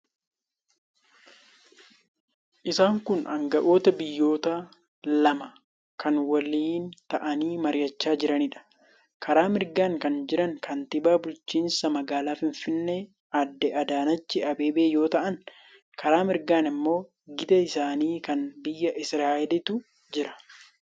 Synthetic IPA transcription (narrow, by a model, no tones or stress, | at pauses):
ʔɪsaːŋkʊnɐ̰ŋɡɐʔo̞ːt̪ɐbɪjːo̞ːt̪ɐ | lɐmɐ | kʰɐnwɐliːnt̪ɐʔɐniːmɐɾɪjɐt͡ʃːaːd͡ʒɪɾɐnɪᶑɐ̥ | kʰɐɾaːmɪɾɡaːŋkɐnd͡ʒɪɾɐŋkɐnt̪ɪbaːbʊlt͡ʃːiːnsɐmɐɡaːlaːfɪɱfɪnːe | ɐd̪ːɛʔɐd̪aːnɐt͡ʃːɪɐbeːbeːjo̞ːt̪ɐʔɐn | kʰɐɾaːmɪɾɡaːnɪmːo̞ː | ɡɪd̪ɐɪsaːniːkɐnbɪjːɐʔɪsɾaːʔɛlɪt̪ʊ | d͡ʒɪɾɐ̥